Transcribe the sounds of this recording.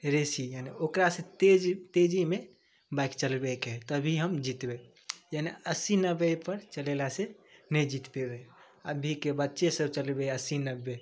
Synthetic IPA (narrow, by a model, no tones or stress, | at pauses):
ɾesijaneokɾasẽt̪ed͡ʒt̪ed͡ʒime | baikt͡ʃəlbeket̪əbʱiɦəmd͡ʒit̪be | janeəsinəbːepəɾt͡ʃəlelasẽnɛjd͡ʒit̪bebe | əbʱikebətːʃesəbt͡ʃəlbeəsinəbːe